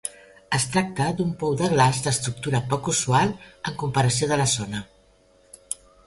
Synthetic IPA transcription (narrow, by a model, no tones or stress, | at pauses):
əst̪ɾak̚t̪əd̪umpɔwðəɣlazd̪əst̪ɾuk̚t̪uɾəpɔkuzualˠəŋkumpəɾəsioðələzonə